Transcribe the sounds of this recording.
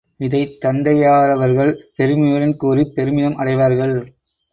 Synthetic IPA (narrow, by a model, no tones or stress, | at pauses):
ɪðɐɪt̪ːɐnd̪ɐjaːɾɐʋɐɾɣɐɭpɛɾɯmɪjɐɾɪnkuːɾipɛɾɯmɪðɐmʔɐɽɐɪʋaːɾɣɐɭ